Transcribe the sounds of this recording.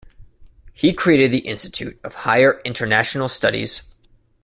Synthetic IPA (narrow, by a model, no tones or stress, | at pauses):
hikʰɹ̥ieɪɾɨd̪̚ðiʔɪ̃nstɨ̥tʰʉ̰ɾʌv̥haɪə˞ʔɪ̃ntʰə˞næʃn̩l̩ˠstʌɾḭz̥